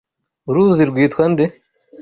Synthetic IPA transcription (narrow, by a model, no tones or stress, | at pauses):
uɾuːziɾɡiːt̪xʰɐnd̪e